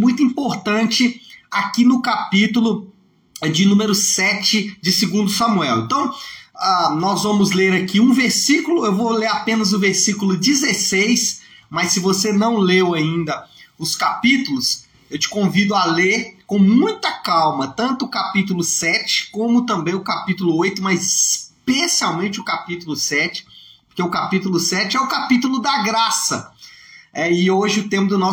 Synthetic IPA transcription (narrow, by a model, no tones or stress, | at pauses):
mũj̃t̪̬ʊĩpoɾt̪ɐ̃t͡ʃɪakinʊkapit̪ʊlʊ | d͡ʒɪnũmeɾʊsɛt͡ʃɪd͡ʒɪsɪɡũnd̪ʊsɐmuɛwḛ̃nt̪ɐ̃w̃anɔzvɐ̃mʊzleɾakiũveɾsikʊlʊewvoleɾapẽnɐzʊveɾsikʊlʊd͡ʒɪzesejsmɐsːɪvosenɐ̃w̃lewaĩnd̪ɐʊskapit̪ʊlʊs | ewt͡ʃɪ̥kõvid̪ʊaleɾkõw̃mũj̃t̪ɐkawmɐt̪ɐ̃nt̪ʊːkapit̪̬ʊlʊsɛt͡ʃɪ̥kõmʊt̪ɐ̃mbẽj̃ʊkapit̪ʊlʊojt̪ʊmɐzɪspesiawmẽnt͡ʃɪʊkapit̪ʊlʊsɛt͡ʃɪ̥oɾkeʊkapit̪ʊlʊsɛt͡ʃɪɛʊkapit̪ʊlʊd̪ɐɡɾasɐ̰ | ɛɪoʒɪʊt̪ẽmʊd̪ʊnɔ